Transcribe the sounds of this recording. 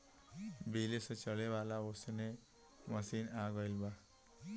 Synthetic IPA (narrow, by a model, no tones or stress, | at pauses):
bilesʌt͡ʃʌlebalaosene | mʌsinaɡʌjlba